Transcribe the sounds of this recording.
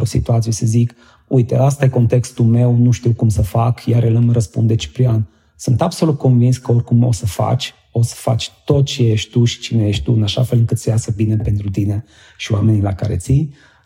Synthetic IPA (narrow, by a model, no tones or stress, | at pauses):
osḭt̪uat̪sijesəzik | ujt̪east̪ajeko̞nt̪e̞kst̪ulme̞wnuʃt̪iwkumsəfakjaɾələməɾəspṵnd̪et͡ʃi̥pɾian | sɨnt̪abso̞lut̪̚kʰo̞nvinskəo̞rʲkumo̞̰səfa̰t͡ʃʲ | o̞sə̥fa̰t͡ʃʲt̪o̞t̪̚t͡ʃeje̞ʃt̪ʲt̪uʃi̥t͡ʃineje̞ʃt̪ʲt̪uɨnaʃa̰fe̞lɨŋkɨt̪sejasəbine̞pe̞nt̪ɾut̪ine̞ | ʃioame̞nilaka̰ɾe̞̰t̪si